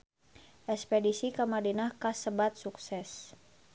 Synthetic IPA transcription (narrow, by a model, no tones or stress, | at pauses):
ʔɛspɛdisikamadinahkasəbat̪̚suksɛs